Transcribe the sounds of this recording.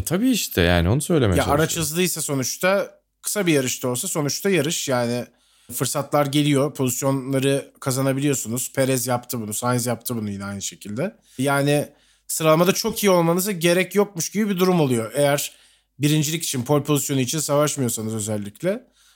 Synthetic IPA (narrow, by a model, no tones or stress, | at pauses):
t̪ʰabiːiʃt̪ʰɛ̰ja̰ːnɪo̞nusø̞jlʲemɛ̰jaaɾat͡ʃʰɯzlˠɯjsaso̞nut͡ʃt̪ʰa | kʰɯ̥sabijaɾɯʃt̪ʰɯo̞lˠs̬aso̞nut͡ʃt̪ʰajaɾɯʃjaːnɪ | fɯɾsat̪lˠaɾɟe̞lʲijo̞pʰo̞zisjo̞nlˠaɾɯkʰazanabilʲijo̞sunuz̥pʰe̞ɾɛzjapt̪ʰɯbunusanzjapt̪ʰɯbunujinɛajnɯʃe̞cʰilʲd̪ɛ | jaːnɪ | sɯɾalˠmad̪at͡ʃʰo̞kijio̞lˠmanɯzaɟe̞ɾɛcjo̞k̚muʃɟibibid̪uɾumo̞lˠujo̞ʔe̞jæɾ̥ | biɾind͡ʒilʲici̥t͡ʃʰinpʰo̞lʲpʰo̞zisjo̞nuit͡ʃʰinsavaʃmɯjo̞sanɯzø̞zɛlʲːicʰlʲɛ